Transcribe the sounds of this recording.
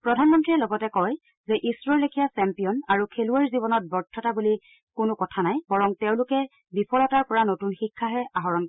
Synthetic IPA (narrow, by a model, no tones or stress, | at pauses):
pɹɔdʱanmɔntɹiɛlɔɡɔtɛkɔj | zɛʔisɹɔlekʰijasɛmpijɔnaɹukʰeluaɹzibɔnɔt̚bɔɹtʰːɔtabuli | kʊnʊkɔtʰanajbɔɹɔŋtɛʊ̃lʊkɛ | bipʰɔlɔtaɹpɔɹanotunxikʰːaɦɛʔaɦɔɹɔnkɔ